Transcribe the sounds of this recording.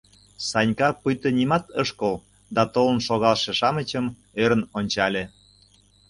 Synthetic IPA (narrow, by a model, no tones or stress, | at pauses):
sɑnʲkɑpujt̪ənʲimɑt̪əʃkəl | d̪ɑt̪olənʃoɣɑlˠʃeʃɑmət͡ɕəm | øɾənonʲt͡ɕɑlʲe